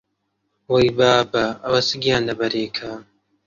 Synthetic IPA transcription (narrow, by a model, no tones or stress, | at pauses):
wɐjbaːbaɐwɐsɨɡijaːndɐbɐɾeːkʰa